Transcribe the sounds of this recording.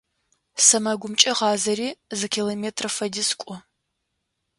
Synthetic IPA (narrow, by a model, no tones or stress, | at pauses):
sɐmɐɡʷʊmt͡ʃʼɐʁɑːzɐɾiːzɨkʲʰiːlomeːtʰrɐfɐdiskʷʼʊ